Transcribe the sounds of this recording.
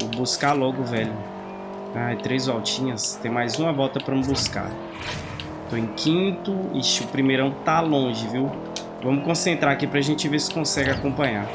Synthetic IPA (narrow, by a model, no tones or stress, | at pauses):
buskalɔɡʊvɛʎʊ | at̪ɾejzvawt͡ʃĩɲɐst̪ẽj̃majzũɐvɔwt̪ɐpɾɐumbuska̰ | t̪õẽkʰĩt̪ʊḭʃʊpɾimeɾɐ̃w̃t̪alõʒɪviw | vɐ̃mʊkõsẽnt̪ɾaakipɾɐʒẽnt͡ʃɪvesɪ̥kõsɛɡɪakõpɐ̃ɲa